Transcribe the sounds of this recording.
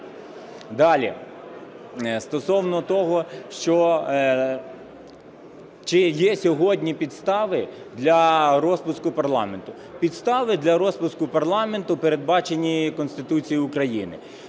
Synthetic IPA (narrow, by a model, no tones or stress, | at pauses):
d̪ɑlʲḭ | st̪ɔsɔwnɔt̪ɔɦɔʃt͡ʃɔ | t͡ʃɪjɛsʲɔɦɔdʲnʲipʲid̪st̪ɑʋɪ | d̪lʲɐɾɔspʊskʊpɐrlˠɑment̪ʊ | pʲid̪st̪ɑʋɪd̪lʲɐɾɔspʊskʊpɐrlˠɑme̞nt̪ʊpeɾed̪̚bɑt͡ʃenʲikɔnsʲt̪ɪt̪ut͡sʲijiʊkɾɐjinɪ̰